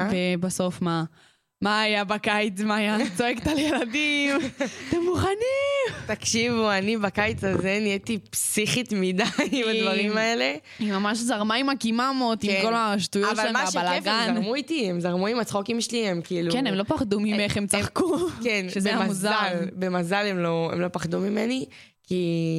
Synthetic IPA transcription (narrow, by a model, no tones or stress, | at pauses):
vebaso̞fma | maːjabakajt͡smaːjat͡so̞ekt̪aljeladimt̪emːuχanit̪akʃivuanibakajt͡sazeniet̪ipsiχit̪midajmad̪vaʁimaele | imamaʃzaʁmaimakimamot̪imko̞laʃtujotvallmaʃbalafɡanmuit̪iemzaʁmuimat͡sχokimʃeliemkiilukenemlo̞paχdumieχemt͡saχkukenʃezeamamuzaalbemazalemlo̞ḛmlo̞paχd̪umimeni | ki